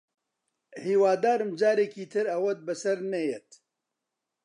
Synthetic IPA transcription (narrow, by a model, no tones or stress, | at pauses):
hiːwaːd̪aːɾɨmd͡ʒaːɾeːkiːt̪ʰɨɾɐwɐt̪̚bɨsɐɾnɛjet̪